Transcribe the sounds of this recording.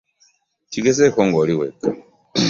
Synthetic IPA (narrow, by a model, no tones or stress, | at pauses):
ciɡesekoŋɡoliweka